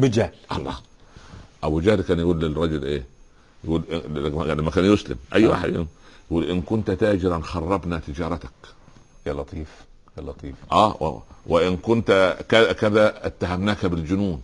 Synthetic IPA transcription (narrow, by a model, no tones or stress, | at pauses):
bɪd͡ʒahlʔɑ̰lˤːɑ̰ː | ʔabud͡ʒaːlkæːnjɪɡuːlːɪrˤɑd͡ʒʊlʔeː | jɡuːlʔmːækæːnjʊslɪ̰mʔæjːwa̰ːħed̪j̰jɡuːlʔɪnkʊnt̪t̪aːd͡ʒɪɾˤɑnxɑrˤːɑbnat̪ɪd͡ʒɑːɾˤɑt̪ḁk | jalɑt̪ˤiːf | jalɑt̪ˤiːfʔæ̰ːwɪʔɪnkʊnt̪kækæðæɪt̪ːaɦæmnaːkabɪld͡ʒʊnuːn